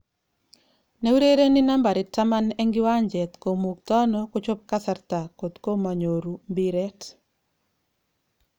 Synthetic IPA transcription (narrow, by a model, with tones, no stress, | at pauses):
ne˦u˦ɾe˦ɾe˦ni˦na˦mba˨ɾɪ˨ta˦ma˦nɛ˦ŋɡɪ˦wa˦ɲd͡ʒɛ˨t̪ko˨mu˨k̚t̪ɔ˦noko˦t͡ʃɔ˦p̚ka˦sa˦rt̪a˨ko˨t̪ko˦ma˨ɲo˨ɾu˨mbi˦ɾɛ˦t